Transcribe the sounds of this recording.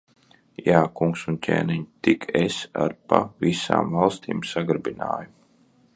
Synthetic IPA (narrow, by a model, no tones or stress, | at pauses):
jaːkuŋksuncʲḛːniɲit̪ikʰesa̰ɾpavisa̰ːmvalˠst̪ḭːmsaɡɾbina̰ːju